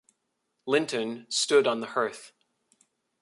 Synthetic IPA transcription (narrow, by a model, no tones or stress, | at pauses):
lɪ̃ntʰɨ̃nstʊɾn̩ðəhɜ˞θ